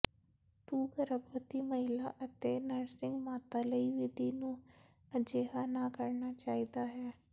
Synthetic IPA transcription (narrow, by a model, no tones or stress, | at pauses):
t̪uːɡəɾəpət̪iməɦɪlaʔət̪enəɾsɪ̃ŋɡmaːt̪aləiʋɪd̪ʱinũ | əd͡ʒeːɦanakəɾnat͡ʃaːɦid̪aɦɛː